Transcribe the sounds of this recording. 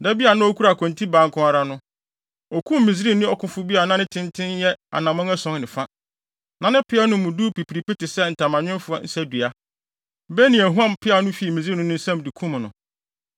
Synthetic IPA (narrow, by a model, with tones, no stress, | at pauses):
da˦bi˦a˨nʊ̃˦ɔ˦kʰu˦ɾa˨kʰɔ̃˨ntʰi˦baː˨ŋkʰʊ̃˦a˨ɾa˦nʊ̃˦ | ɔ˨kʰũ˦m˦mĩ˨z̬i˦ɾi˦nɪ̃˦ɔ˨kʰʊ̃˨fʊ˦bi˦a˨nã˦nɪ̃˦tʰɪ̃˦ntʰɪ̃˦njɛ˦a̰˨nã˨mɔ̃˦ŋɛ˦sɔ̃˦ŋnɪ̃˨fã˦ | nã˨nɪ̃˦pʰɪ˦a˦nʊ̃˦mʊ̃˨duː˦pʰi˨pʰi˨ɾi˨pi˦tɪ˨sɛ˦n̩˨tʰã˨mã˨ɲᶣɪ̃˦nfʊ˦a˦n̩˦sæ˦du˨a˦ | bɛ˦nĩ˨æ˨ɦũ˦ã˦mpʰɪ˦a˦nʊ̃˦fi˨mĩ˨zi˦nʊ̃˦nʊ̃˦sɛ̃˦m˨di˨kʰũ˦m˨nʊ̰̃˨